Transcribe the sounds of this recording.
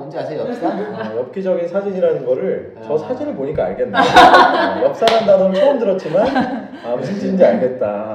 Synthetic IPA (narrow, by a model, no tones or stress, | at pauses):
jʌp̚k͈id͡ʑʌɡinsʰad͡ʑiɲiɾanɯnɡʌɾɯɭ | t͡ɕʌsʰad͡ʑinɯɭpoɲik͈a̰ːɭɡe̞nːe | jʌk̚s͈aɾɦandanɯnt͡ɕʰoʌmdɯɾʌt̚t͡ɕ͈iman | amusʰind͡ʑiind͡ʑiaɭɡe̞t̚t͈a